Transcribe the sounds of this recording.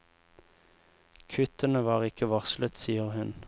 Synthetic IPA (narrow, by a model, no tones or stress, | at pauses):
kʰʉt̪ənəʋɑːʁɪkəʋɑʁslət̪siːəʁhʉn